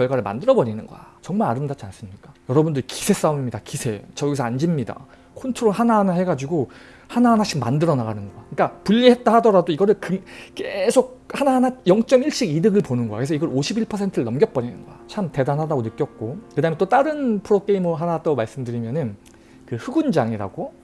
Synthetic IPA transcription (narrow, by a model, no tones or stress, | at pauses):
kjʌɭɡwaɾɯɭma̰ndɯɾʌbʌɲinɯnɡʌ̰jat͡ɕʌŋmaɭaɾɯmdat͡ɕ͈ans͈ɯmɲik͈ḁjʌɾʌbundɯɾiki̥sʰe̞s͈auɲimɲidakisʰe̞t͡ɕʌɡisʰand͡ʑimɲida̰ | kʰontʰoɾoɦanaɦanahe̞ɡad͡ʑiɡo | hanaɦanaɕ͈ʰikma̰ndɯɾʌnaɡanɯnɡʌɡaɯɲik͈apuʎːihe̞t̚t͈aɦadʌɾadoiɡʌɾɯɭkɯke̞sʰok̚hanaɦanajʌŋt͡ɕ͈ʌmiɭɕ͈iɡidɯɡɯɭponɯnɡʌa̰kɯesʰʌiɡʌɾoɕʰibiɭpʰʌsʰe̞ntʰɯɯɭnʌmɡjʌt̚p͈ʌɲinɯ̰nɡʌjat͡ɕʰamte̞danɦadaɡonɯk͈jʌt̚k͈okɯdaɦɯment͈ot͈aɾɯnpʰɯɾok͈e̞imɯɦanat͈aɡomaɭs͈ɯmdɯɾimjʌnɯn | kɯhɯɡund͡ʑaŋiɾa̰ɡ̥o